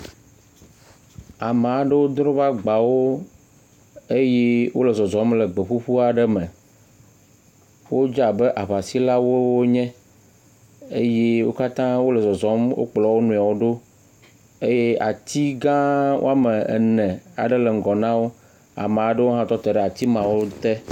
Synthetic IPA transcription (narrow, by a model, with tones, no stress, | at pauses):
a˨me˨a˨ɖə˦wo˦d̪ɾɔ̃˦βa˦ɡ͡ba˨wo˦ | e˦jɛ˦wo̰˦lə˨zɔ˨zɔ˨˦mle˨ɡ͡be˨ɸu˦ɸu˦a˨ɖə˦mɛ̃˨ | wo˦d͡ʒa˨bə˦ʔa˨βa˨si˦la˦wo˦wo˦ɲɛ̃˦ | e˦je˦wo˦ka˦t̪ã˦wo˦lɛ˨zɔ˨zɔ˦mwʔo̰˦k͡plɔ˨˦wo˦nũ˨a˨wo˦ɖo˦ | e˦je˦a˨t̪i˦ɡã˦wʔo̰˦a˦mɛ˨ḛ˨nɛ̃˨a̰˨ɖɛ˦le˨ŋ̩˨ɡɔ˨nã˦wo˦ | a̰˨mẽ˨a˨ɖə˦wo˦ɦã˦t̪ɔ˦t̪ɛ˨ɖɛ˨a˨t̪i˦mã˨wo˦t̪ɛ˦